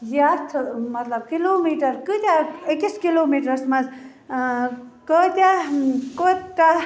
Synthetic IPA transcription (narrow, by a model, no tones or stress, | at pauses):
jat̪ʰmɐt̪lɐb̚kiloːmiːʈɐɾkɨt̪ʲaekiskiloːmiːʈɾɐsmɐz | kot̪ʲakot̪t̪a